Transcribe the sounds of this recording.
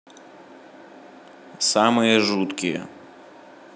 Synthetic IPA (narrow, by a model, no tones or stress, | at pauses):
samɨjɛʐut̪kʲɪjɛ̰